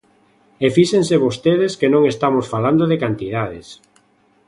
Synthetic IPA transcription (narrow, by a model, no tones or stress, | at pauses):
efiʃenseβost̪eðeskenõŋest̪amosfaland̪oðekant̪ið̞aðes